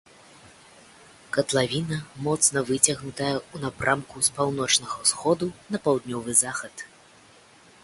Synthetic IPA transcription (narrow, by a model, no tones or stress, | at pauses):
kɐt̪lˠavʲinɐmɔt̪snɐvɨt͡sʲɐɣnut̪ɐjɛunapɾʔamkuspawnɔt͡ʂnɐɣɐsxɔd̪unɐpawd̪nʲɔvɨzaxɐt̪